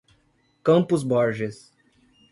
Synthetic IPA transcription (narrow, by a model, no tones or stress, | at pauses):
kɐ̃mpʊzbɔɾʒɪs